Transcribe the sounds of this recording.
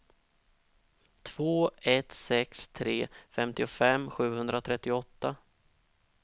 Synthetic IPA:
t̪ʰv̥oːɛt̪sɛkst̪ʰɾeːfɛmt̪ɪʊfɛmːɧʉ̟ːhɵnd̪ɾat̪ʰɾɛt̪ːɪʊɔt̪ːa

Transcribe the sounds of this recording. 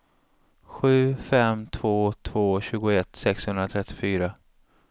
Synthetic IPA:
ɧʉ̟ːfɛmt̪ʰv̥oːt̪ʰv̥oːɕʉ̟ːɡʊɛt̪sɛkshɵnd̪ɾat̪ʰɾɛt̪ːɪ̥fyːɾa

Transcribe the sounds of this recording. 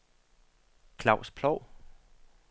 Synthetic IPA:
kʰlɑ̈ʊ̰spʰlɒʊ̰

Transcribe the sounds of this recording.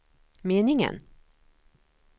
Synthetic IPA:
meːnɪŋə̰n

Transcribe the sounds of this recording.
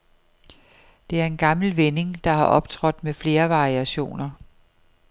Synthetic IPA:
d̥e̝æɐe̝nɡ̥ɑ̈ml̩ʋene̝ŋd̥ɑ̈hɑ̈ʔɒ̽b̥t͡sʰʁɒ̽d̥mefle̝ːɐʋɑ̈ʁiæɕo̝̰ːnɐ

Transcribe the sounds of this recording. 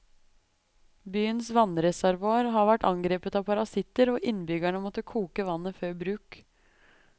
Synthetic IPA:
byːənsʋɑnɾɛsæɾʋoːɾɦɑɾʋæʈɑŋɡɾeːpət̪ɑːpʰɑɾɑsɪt̪əɾoːʔɪnbʏɡæɳəmɔt̪ːəkʰuːkəʋɑnːəføːɾbɾʉːk

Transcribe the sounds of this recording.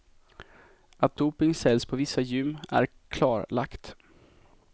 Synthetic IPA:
at̪̚d̪uːpɪŋsɛlspʰɔvɪsːajʏmːæ̰ɾ | kʰlɑːɾla̰kt̪

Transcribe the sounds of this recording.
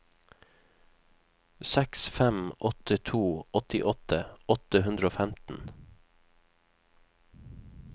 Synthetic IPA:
sɛksfɛmʔɔt̪ət̪ʰuːɔt̪ɪʔɔt̪ʰəɔt̪əhʉnd̪ɾəoːfæmt̪n̩

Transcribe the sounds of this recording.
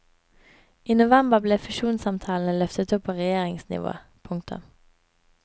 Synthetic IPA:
ʔiːnʊʋɛmbəʁbleːfʏʃuːnsɑmt̪ʰɑːln̩əlœft̪ət̪ʊpʰoːʁɛjeːʁɪŋsnɪ̰ʋo̰ː | pʰʊŋkt̪ʰʊ̰m

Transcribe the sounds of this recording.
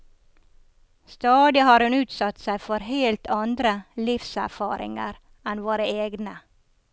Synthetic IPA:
st̪ɑːd̪ɪhɑːɾhʉnʉːt̪sɑt̪sæɪfɔɾheːlt̪ʰɑnd̪ɾəlɪfsæ̰ɾfɑ̰ːɾɪ̰ŋə̰ɾ | ɛnʋoːɾəeːɡnə

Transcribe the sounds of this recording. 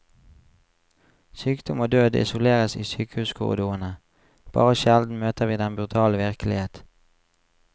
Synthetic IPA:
syːkd̪ʊmoːd̪øːd̪ɪ̰sʊleːʁəsḭːsyːkəhʉːsɡʊ̰ʁd̪uːənə | b̥ɑ̰ːʁəʃɛld̪n̩møːt̪əʁʋiːd̪ɛnbʁʉt̪ʰɑːlʋɪʁklɪheːt̪

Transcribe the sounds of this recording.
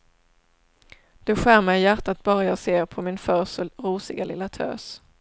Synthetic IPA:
d̪̥ɵɧæːɾmɛjjæʈat̪̚bɑːɾajɑːseːɾpʰɔmɪnfœːsɔɾuːsɪɡalɪ̰lːat̪ʰø̰ːs

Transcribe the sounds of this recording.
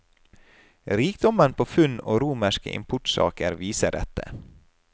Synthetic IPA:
ɾiːk̚d̪ɔmənpʰoːfʉno̰ːɾuːməʃkə̰ʔɪ̰mpʰʊʈsɑ̰ːkəɾʋiːsəɖɛt̪ə

